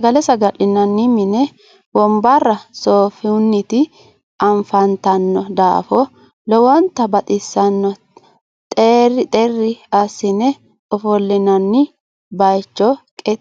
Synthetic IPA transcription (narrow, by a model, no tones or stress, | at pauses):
sɐɡɐlɛsɐɡɐlɪnɐnːɪmɪnɛ | wɔmbɐrːɐsoːfɪʊnːɪt̪ɪ | ɐɱfɐnt̪ɐnːɔd̪a̰ːfɔ | lɔwɔnt̪ːɐbɐt̪ʼɪsːɐnːɔ | t̪ʼerɪt̪ʼɛrːɪɐsɪnɛ | ɔfɔlːɪnɐnːɪ | bɐjt͡ʃːɔkʼɛ